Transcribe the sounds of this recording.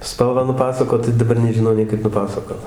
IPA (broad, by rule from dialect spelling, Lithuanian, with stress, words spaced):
ˈspɐlˠʋɑː nʊˈpɑːsɐkoːt tɐɪ dɐˈbɐr nʲɛʒʲɪˈnɐʊ nʲɛɪ ˈkɐɪp pɐˈpɑːsɐkoːt